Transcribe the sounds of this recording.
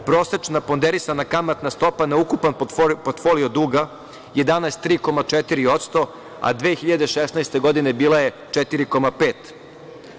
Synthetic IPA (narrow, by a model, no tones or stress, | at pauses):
pɾo̞ːset͡ʃnapo̞nd̪eɾisanakamat̪nast̪o̞panaukupanpoɾt̪fo̞lio̞d̪uːɡa | je̞d̪anaest̪ːɾiːko̞mat͡ʃet̪iɾio̞t̪st̪o̞ | a̰d̪ʋeːxiʎad̪e̞ʃesnaest̪e̞ɡo̞d̪ine̞biːlˠaje̞ | t͡ʃɛt̪iɾiko̞mapeːt̪